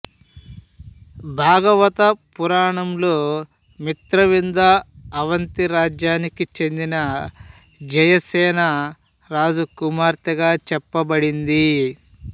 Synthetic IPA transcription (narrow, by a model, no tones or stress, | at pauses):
bʱaːɡɐʋɐt̪ɐpuɾaːɳɐmlo̞ː | mit̪ɾɐʋind̪ɐːʋɐnt̪iɾaːd͡ʒjaːnikit͡ʃe̞nd̪inɐ | d͡ʒɐjɐsɛːnɐ | ɾaːd͡ʒukumaːɾt̪ɐɡaːt͡ʃɛpːɐbɐɽind̪i